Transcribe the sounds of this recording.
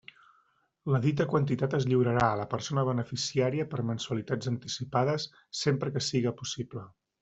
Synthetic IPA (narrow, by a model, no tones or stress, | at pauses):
ləðit̪əkwənt̪it̪at̪əzʎiwɾəɾaələpəɾsonəβ̞ənəfisiaɾiəpəɾmənsuəlit̪ad͡zənt̪isipaðəsː | empɾəkəsiɣəpusiplə